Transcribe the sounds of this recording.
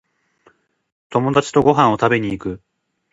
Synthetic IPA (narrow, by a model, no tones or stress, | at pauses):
t̪o̞mo̞d̪at͡ɕi̥t̪o̞ɡo̞ɦãɰ̃o̞t̪abe̞ɲ̟iːkɯ̟